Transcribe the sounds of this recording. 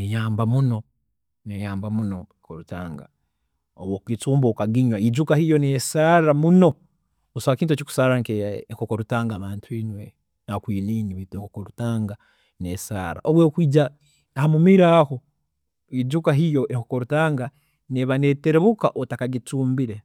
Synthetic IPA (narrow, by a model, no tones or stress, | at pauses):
nejaːmbamuno̞ | nejaːmbamunoekoɾutaːŋɡa̰ | o̰woːkit͡suːmbokaɡiɲwaid͡ʒukahijo̞nesaɾamuno̞ | osaakiːntot͡ʃiku̥saːɾɾaŋkeeŋkokoɾutaːŋɡaːβaːntʰwinwe | nakwiːliːniβiteŋkokoɾutaːŋɡa | nesa̰ːɾa̰ʔoβweːkwiːd͡ʒa | hamumiɾaho̞ | id͡ʒukaɦijo̞ʔeŋkoko̞ɾutaːŋɡa | neβane̞ːteɾeβukaʔotakaɡit͡suːmbiɾe̞